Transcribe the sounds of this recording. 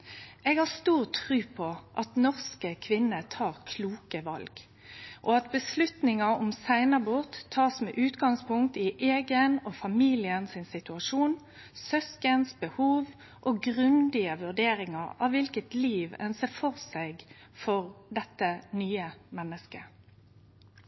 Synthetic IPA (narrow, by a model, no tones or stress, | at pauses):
ʔɛɡhɑʁst̪uːʁt̪ʰʁʉːpʰɔʔɑt̪nɔʁskəkʰʋɪnːət̪ʰɑːʁkʰluːkəʋɑ̰lɡ | ʔɔɑt̪bəslʉt̪nɪŋɑɔmsæɪnəbʊʁt̪ʰːɑːsmɛ̰ːʔʉːt̪ɡɑŋspʊŋk̚t̪ɪʔeːɡənɔfɑmiːlɪənsɪnsɪt̪ʉɑʂuːn | sœskənsbəhuːʋ | ʔoɡʁʉnd̪ɪəʋʉʁd̪eːɾɪŋɑɾɑ̰ʋʋɪlkət̪liːʋɛ̰nseːfɔʁsɛɡfɔʁd̪ɛt̪ːənyːəmɛnːəskə